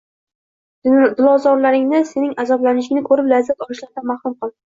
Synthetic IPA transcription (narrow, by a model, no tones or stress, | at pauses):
d̪ʊlˠɒzɒɾlaɾɪŋnɪsenɪŋazɒblanɪʃ̬ɪŋnɪkʰɵɾɪplazːat̪ɒlˠɪʃlaɾd̪amahɾʊmqɨlˠd̪ɪ